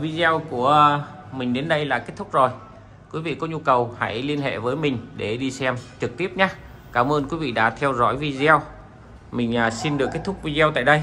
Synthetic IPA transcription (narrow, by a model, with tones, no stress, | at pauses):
vi˧zɛ˧wku˧˩ə | mï˨˩ŋ̟ɗe˨˦nɗə˧jla̰ː˧˨ke˦˥t̚t̪ʰʊ˦˥k͡p̚zo˨˩j | kwi˨˦vḭ˧˨kɔ˨˦ɲu˧kə˨˩wha̰˧˥jli˧ənɦḛ˧˨vəː˨˦jmï˨˩ŋ̟ɗe˧˩ɗi˧sɛ˧mt͡ɕɨ˨˩k̚t̪i˦˥əp̚ɲaː˨˦ | kaː˧˩mʔəː˧nkwi˨˦vḭ˧˨ɗa̰ː˧˥t̪ʰɛ˧wzɔ̰˧˥jvi˧zw | mï˨˩ŋ̟ʔaː˨˩si˧nɗɨ˨˩əkːe˦˥t̪̚ʰʊ˦˥k̚vi˧zwt̪a̰ː˧˨jɗə˧j